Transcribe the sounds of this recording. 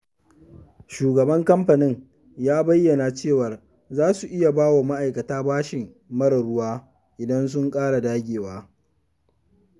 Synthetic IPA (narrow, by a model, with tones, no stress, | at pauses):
ʃuː˨ɡɐ˨bɐ˦ŋkɐ˦mɸɐ˨nɪ˦ŋ | jaː˦bɐ˦jːɐ˨na˨t͡ʃeː˦˨wɐ˨r | zaː˦su˨ʔɪ˦ja˨baː˦wo˨ma˦ʔa˨jkɐ˨taː˦baː˦ʃɪ˨ŋ | mɐ˦ɽɐ˨ɽʊ˦waː˦ | ʔɪ˨dɐ˦ns̬ʊ˦ŋkʼaː˦ɽa˨daː˦ɡʲeː˨waː˦